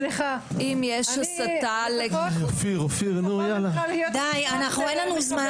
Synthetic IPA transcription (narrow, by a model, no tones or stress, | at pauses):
liχa | ʔimjeʃasat̪aleɡofiʁofiʁnujalad̪ajanaχnuenlanuzma